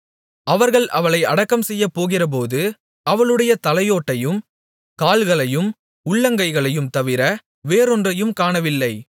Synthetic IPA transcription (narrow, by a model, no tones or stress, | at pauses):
ɐʋɐɾɣɐɭʔɐʋɐɭɐɪɐɽɐkːɐmsɛjːɐpːoːɣɪrɐp̬oːðɯ | ɐʋɐɭɯɽɐjɐt̪ɐlɐjoːʈːɐjɯm | kaːlɣɐɭɐjɯm | ʊɭːɐŋɡɐɪɣɐɭɐjɯmt̪ɐʋɪɾɐ | ʋeːɾɔndrɐjɯmkaːɳɐʋɪlːɐɪ